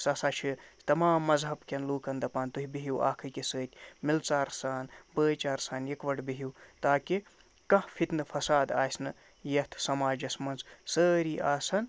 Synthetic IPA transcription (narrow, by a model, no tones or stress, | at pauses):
sɐsaːt͡ʃʰit̪ɐmaːmːɐzɦɐbkʲɐnluːkɐnd̪ɐpaːnt̪uɦibiɦiwa̰ːkʰɨkesəːtʲmilt͡saːɾsaːnbəːjt͡ʃaːɾsaːnjikʋɐɽbiɦiwt̪aːki | kɐhfʰit̪nɨfʰɐsaːd̪aːsnɨ | jɐt̪ʰsɐmaːd͡ʒɐsmɐnzsəːɾiʔaːsɐn